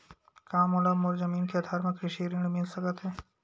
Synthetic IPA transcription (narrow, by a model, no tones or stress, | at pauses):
kaːmɔləmoɾzəmiːnkeɐd̪ʱaːɾmẽkɾɪʃiɾɪ̃ɖmɪlsɐkət̪ɦɛː